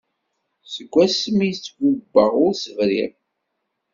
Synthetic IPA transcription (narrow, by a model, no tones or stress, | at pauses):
səɡʷːæsmit͡sːɡubːəʁʊɾsəvɾḭʁ